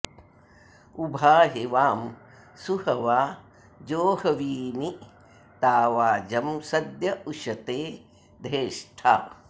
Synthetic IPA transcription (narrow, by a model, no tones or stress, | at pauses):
ubʱaːɦeʋaːm | suhɐʋaː | d͡ʒoːhɐʋiːni | t̪aːʋaːd͡ʒɐmsɐd̪jɐuʃɐt̪eː | d̪ʱɾeːʂʈʰa̰ː